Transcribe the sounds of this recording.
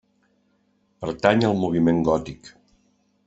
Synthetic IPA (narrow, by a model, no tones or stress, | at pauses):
pəɾt̪aɲəlˠmuβ̞imeŋɡɔt̪ik